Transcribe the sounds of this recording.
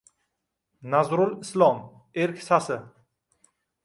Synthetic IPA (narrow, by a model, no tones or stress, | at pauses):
nazɾʊlɪslˠɒm | eɾkʲsasɪ